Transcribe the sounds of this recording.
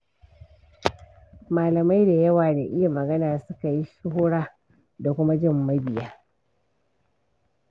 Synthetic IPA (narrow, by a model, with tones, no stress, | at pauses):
maː˨lɐ˨ma˦jda˨jɐ˦waː˨da˨ʔɪ˦ja˨mɐ˨ɡɐ˦naː˨sʊ˦ka˨ji˦ʃʊ˦ɦʊː˦ɽaː˦ | da˨kʷʊ˦ma˦d͡ʒɪ˦˨mːɐ˦bɪ˨jaː˦